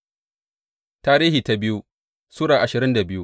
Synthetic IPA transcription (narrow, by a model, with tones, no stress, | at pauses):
taː˦ɾiː˦hiː˨ta˨bɪ˦ju˦ | suː˦ɽaː˨ʔa˨ʃɪ˨ɾɪ˦nda˨bɪ˦ju˦